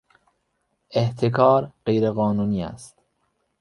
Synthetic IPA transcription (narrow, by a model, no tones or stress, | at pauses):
ʔeht̪ʰekʰɒːɾɢejɾeɣɒːnuːniːæ̰st̪